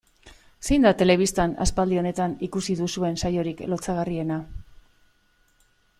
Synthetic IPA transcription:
se̞jnd̪at̪e̞le̞β̞ist̪ana̰spald̪io̞ne̞t̪anikusiðusue̞nsajo̞ɾiklo̞t͡saɣ̞arie̞na

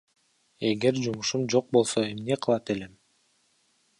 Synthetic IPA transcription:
e̞ɡe̞ɾd͡ʒumuʃumd͡ʒo̞q̚bo̞lˠso̞e̞mne̞qʰɯlˠɑt̪e̞le̞m

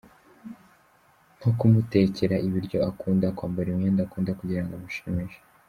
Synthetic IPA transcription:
n̥hokumute̞ce̞ɾaʔiβiɾɟo̞akuːndakwaːmbaɾimɲeːndakuːndakuɟiɾaŋɡamuʃimiʒe̥

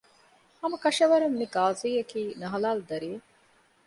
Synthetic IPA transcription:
hɐmɐkɐʃɐʋɐɾemːiɡaːziːɐkiːnɐɦɐlaːld̪ɐɾiʋe

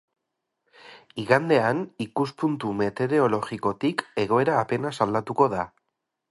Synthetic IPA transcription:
iɣand̪e̞anikuspunt̪ume̞t̪e̞ðe̞o̞lo̞ɣiko̞t̪ike̞ɣo̞e̞ɾaːpe̞nasald̪at̪uko̞ða

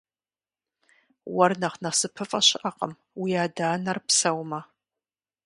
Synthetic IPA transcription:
wɐrnɐχnɐsɨpʰɨfʼɐɕɪʔɐqʼə̰m | wiaːdaːnɐrpsɐwmɐ

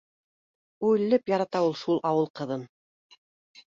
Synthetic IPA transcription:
ʉjlːɘpjɑɾɑt̪ɑulˠʃulˠʔɑwɤlˠqɤ̆ðɤn

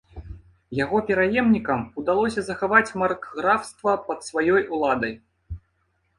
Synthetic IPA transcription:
jaɣɔpʲɛɾajɛmnʲikɐmud̪alˠɔsʲɐzɐxavat͡sʲmɐrkɣɾawst̪vɐpɐt̪svajɔjulˠad̪ɐj

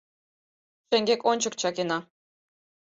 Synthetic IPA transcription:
ʃĕŋɡʲekonʲt͡ɕə̆kt͡ɕɑkenɑ

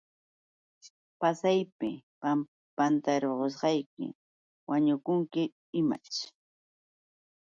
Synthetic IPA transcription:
pasajpɪpam | pant̪aɾoɢos̬ɢɑjkɪ̰ | waɲʊkʊŋkɪ | ɪma̰t͡ʃ

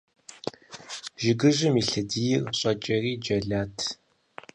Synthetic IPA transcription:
ʒɪɡɨʑɪmiɬɐdiːjɪrɕʼɐt͡ʃʼɐriːd͡ʒɐɮaːtʰ

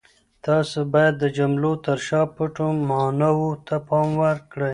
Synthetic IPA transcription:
t̪ɑsobɑjad̪ːəd͡ʒamlot̪aɾʃɑpəʈommɑnawot̪ʰapɑmwəɾkɽəj

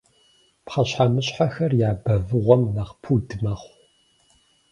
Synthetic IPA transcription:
pχɐɕħamɨɕħaxɐrjaːbɐvɨʁʷɔmnaχpʰuːdɨmɐχʷ

